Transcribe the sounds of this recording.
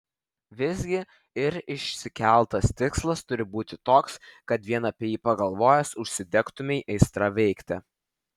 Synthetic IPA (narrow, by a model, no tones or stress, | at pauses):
ʋʲɪzʲɡʲɪ | ɪɾɪʃʲsʲɪkʲæˑlˠˑt̪ɐst̪ʲɪkslˠɐst̪ʊɾʲɪbuːt̪ʲɪt̪oːkskɐt̪ʋʲiɛnɐːpʲiɛjiːpɐɡɐlˠʋoːjɛsʊʃʲsʲɪd̪ʲɛkt̪ʊmʲɛʔɛɪst̪ɾɑʋʲɛɪkt̪ʲɛ